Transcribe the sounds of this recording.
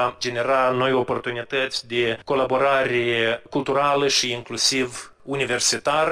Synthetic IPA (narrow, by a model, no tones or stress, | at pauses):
ad͡ʒe̞ne̞ɾano̞jo̞po̞rt̪unit̪ət̪sʲd̪e̞ko̞labo̞ɾaɾʲekulˠt̪uɾaləʃiːŋklusiv | unive̞rsit̪ar